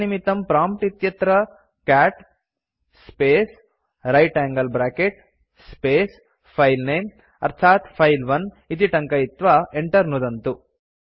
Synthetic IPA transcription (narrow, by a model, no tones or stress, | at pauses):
nimit̪ɐmpɾaːmpʈit̪jɐt̪ɾɐ | kaːʈ | speːs | ɾɐjʈæːŋɡɐlbɾaːkeʈ | speːs | pʰɐjlneːm | ɐ̰ɾt̪ʰaːt̪pʰɐjlʋɐn | it̪̬iʈɐŋkɐjit̪ʋaeɳʈɐɾnud̪ɐnt̪u